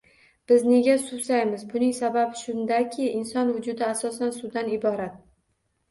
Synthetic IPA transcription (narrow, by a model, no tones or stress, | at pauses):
b̥ɪzne̞ɡʲasusajmɪzbʊnɪŋsababɪʃʊnd̪akʲʰɪɪnsɒnvʊd͡ʒʊd̪ɪasɒsansud̪anɪbɒɾat̪̚